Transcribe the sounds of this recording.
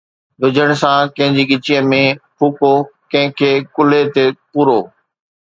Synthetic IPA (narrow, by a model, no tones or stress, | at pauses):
d̪ʊd͡ʑʱəɽ̃̆sãkɐ̃ɦɪ̃ɲd͡ʑiːɠɪt͡ɕiəmẽpʰuːkokɐ̃ɦɪ̃kʰeːkʊlet̪epuːɾoː